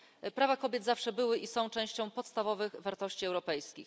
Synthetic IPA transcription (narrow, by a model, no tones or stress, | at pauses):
pɾavakɔbʲjɛd̪zafʂɛbɘwɘʔisɔ̃w̃t͡ʂɛ̃w̃ɕt͡ɕɔ̃w̃pɔt̪st̪avɔvɘɣvaɾt̪ɔɕt͡ɕiɛwɾɔpɛjskʲḭx